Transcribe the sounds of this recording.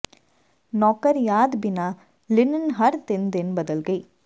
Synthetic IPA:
nɔːkːɐɾjaːd̪bɪnaː | lɪnənɦɐɾt̪ɪnd̪enbɐðɐlɣɐɪ

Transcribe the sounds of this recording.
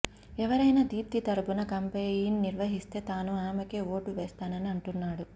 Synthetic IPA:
ɛʋɐɾɐjnɐd̪iːp̚t̪it̪ɐɾɐbunɐkɐmpeːjinniɾʋɐɦist̪e̞ːt̪aːnuaːmɐke̞ːoːʈuʋeːst̪aːnɐniɐɳʈunːaːɽu

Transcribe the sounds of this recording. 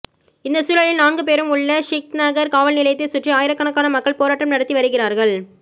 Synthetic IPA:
ɪnd̪ɐsuːlɐɭɪlnaːnɡɯp̬eːɾɯmʊɭːɐʂɪk̚nɐɣɐɾkaːʋɐlnɪlɐjɐt̪̬ːesʊʈriaːjɪɾɐkːɐɳɐkːaːnɐmɐkːɐɭpoːɾaːʈːɐmnɐɽɐt̪ːiʋɐɾɯɣɪraːɾɣɐɭ

